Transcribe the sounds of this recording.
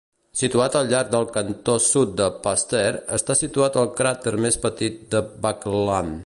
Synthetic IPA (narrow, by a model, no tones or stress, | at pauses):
sit̪uat̪əlˠʎaɾɡ̚d̪əlˠkənt̪osut̪̚d̪əpast̪ɛɾəst̪asit̪uat̪əlˠkɾat̪əɾmespət̪it̪̚d̪əbaklan